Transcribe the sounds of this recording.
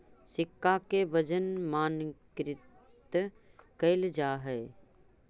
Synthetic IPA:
sɪkːakebɐd͡ʒənmaːnkɾɪt̪ | kɐɪld͡ʒaːɦɛː

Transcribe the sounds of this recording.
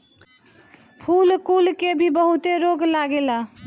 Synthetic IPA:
pʰulkulkebʱibəɦut̪eɾoɡlaɡela

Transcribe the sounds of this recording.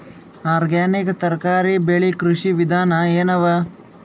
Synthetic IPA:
aːɾɡaːnikɐt̪ɐɾkaːɾibeɭikɾuʂiʋid̪ʱaːnɐeːnɐʋɐ

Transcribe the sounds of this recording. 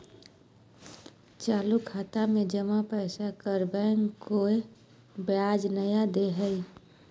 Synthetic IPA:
t͡ʃaːlukʰaːt̪amẽd͡ʒəmapəɪsakəɾbɛːŋɡkoe | bjaːd͡ʒnəjad̪eɦəi

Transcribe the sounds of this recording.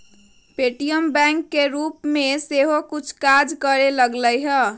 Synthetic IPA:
peʈijəmbɛ̃ŋkːeɾupmeseɦokut͡ʃʰkad͡ʒkəɾeləɡləjɦə

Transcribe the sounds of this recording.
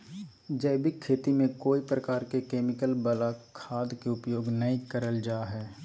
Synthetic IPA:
d͡ʒɛːbikʰːeːt̪imẽkoːipɾəkaːɾkekeːmɪkəlbəlakʰaːd̪keʊpjoːɡnəikəɾəld͡ʒaːɦɛː

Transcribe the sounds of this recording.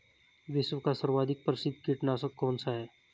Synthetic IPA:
ʋɪswəkasəɾwaːd̪ʱɪk̚pɾɪsɪd̪kiʈnasəkkːɔːnsaɦɛː

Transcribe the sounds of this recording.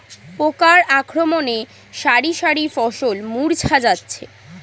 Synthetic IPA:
pokaɾakʰɾomone | ʃaɾiʃaɾifɔʃolmuɾt͡ɕʰad͡ʑatːɕʰe

